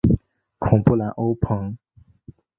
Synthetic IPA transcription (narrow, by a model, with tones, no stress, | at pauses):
kʰʊ̃˨˩ŋpu˥˨la˨˥˦ʔo˥˦ʊpʰə˨˩˦ŋ